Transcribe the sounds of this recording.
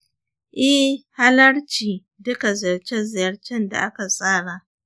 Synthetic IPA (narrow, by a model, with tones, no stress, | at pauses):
ʔɛ˦hha˦lɐ˦ɽt͡ʃiː˨ | dʊ˦ka˨zɐ˨ɽt͡ʃɛ˦zɪ˨jɐ˦ɽt͡ʃɛ˦nda̰˨ʔa˦ka˨sʼaː˦ɽa˨ʔ